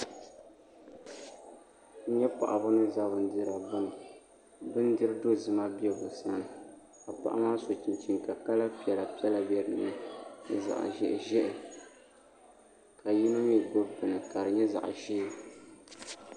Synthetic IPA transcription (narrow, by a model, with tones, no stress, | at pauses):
ɲɛ˦pa̰˨ʔa˨bʊ˦nɨ˦za˦bʊ˨n̩˦dɨ˦ɾa˨bɨ˦n˨ | bɨ˦n˦dɨ˦ɾɨ˦do˦˨zɨ˨ma˦bi˦ɛ˦bʊ˨sa˦nɨ˨ | ka˨pa̰˦ʔa̰˦maː˦so˨t͡ʃi˨nt͡ʃi˨ŋka˨ka˦la˦pi˨ɛ˨la˨pi˦ɛ˦la˨bɛ˦ɾɨ˨nɨ˦nɨ˨za̰˨ʔa̰˨ʒɛ̰˦ʔʒɛ˦ʔɪ˨ | ka˨ji˦nʊ˦m˦ɛ˨ɡo˦bɨ˨nɨ˨ka˨ɾɨ˨ɲɛ˦za̰˨ʔʒiː˦˨